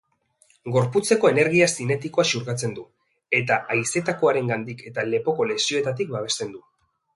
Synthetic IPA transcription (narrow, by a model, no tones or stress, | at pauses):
ɡo̞ɾput͡se̞ko̞e̞ne̞ɾɣiasine̞t̪iko̞asuɾɣat͡se̞nd̪u | e̞t̪aʔajse̞t̪ako̞aɾe̞ŋɡand̪ikʰe̞t̪ale̞po̞ko̞le̞sio̞e̞t̪at̪ik̚baβ̞e̞st̪e̞nd̪u